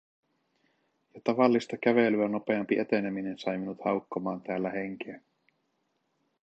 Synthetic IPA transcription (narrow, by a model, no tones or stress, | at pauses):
jɑt̪ɑʋɑlːist̪ɑk̟æʋelyæno̞pe̞ɑmpiʔet̪e̞ne̞mine̞nsɑjminut̪hɑuwkːomɑːnt̪æːlːæhe̞ŋk̟eː